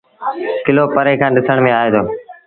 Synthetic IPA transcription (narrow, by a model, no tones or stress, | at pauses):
kɪloːpəɾeːkʰãːɗɪsəɳ̃mẽaːeːt̪ʰoː